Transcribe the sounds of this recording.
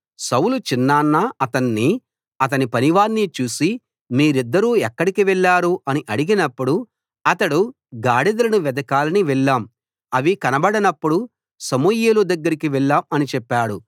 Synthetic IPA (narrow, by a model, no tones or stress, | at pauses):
sɐwlut͡ʃinːaːnːaɐt̪ɐnːi | ɐt̪̬ɐnipɐniʋaːɾnit͡ʃuːsi | miːɾid̪ːɐɾuːɛkːɐɽikiʋɛɭːaːɾuʔɐniʔɐɽiɡinɐpːuɽu | ɐt̪ɐɽu | ɡaːɽid̪ɐlɐnuʋɛd̪ɐkaːlɐniʋɛɭːaːm | ɐʋikɐnɐbɐɽɐnɐpːuɽu | sɐmujeːlud̪ɐɡːɐɾikiʋɛɭːaːmɐnit͡ʃɛpːaːɽu